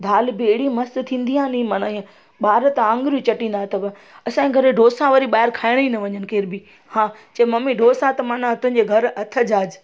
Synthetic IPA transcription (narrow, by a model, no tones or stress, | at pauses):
d̪ʱaːlbɪeɦɪɽimɐst̪t̪ʰĩːnd̪iãːnĩmaːnaẽ | ɓaːɾət̪ãːŋɡɾut͡ɕɐʈĩːn̆d̪aːɦt̪ɐbɪ | ɐsãɡʱɐɾɖʱoːsãʋɐɾiɓaːɦɪɾkʰaːɪɽ̃inɐʋɐɲənɪ̆keːɾbɪ | hãːt͡ɕɐmɐmiɖʱoːsãt̪ɐmaːnat̪ʊ̃ɦɪ̃ɲd͡ʑeɡʱɐɾɐt̪ʰəd͡ʑaːd͡ʑ